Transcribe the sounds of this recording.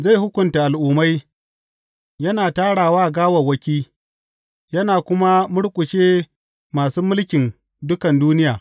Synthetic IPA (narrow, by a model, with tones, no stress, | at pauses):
za˦˨jɦʊ˦kʷʊ˨nta˨ʔa˨lʔʊː˨ma˦j | jɐ˦naː˨taː˦ɽaː˨waː˦a˨ɡaː˦wɐ˨wɐ˦kʲiː˦ | jɐ˦naː˨kʷʊ˦ma˦mʊ˦ɽkʷʼʊ˨ʃeː˦ | maː˨suː˦mʊ˦lkʲɪ˨n | dʊ˦kɐ˨nduː˦nɪ˦jaː˨